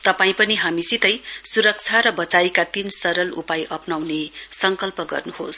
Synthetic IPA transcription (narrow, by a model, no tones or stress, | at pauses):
t̪ʌpaĩpʌniɦamisit̪ʌjsuɾʌk̚t͡sʰaɾʌbʌt͡sajkat̪insʌɾʌlṵpajʔʌpnawnesʌŋkʌlpʌɡʌ̰rnuhos